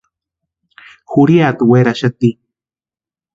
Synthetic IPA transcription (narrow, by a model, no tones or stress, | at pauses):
xuɾiat̪weɾaʃat̪i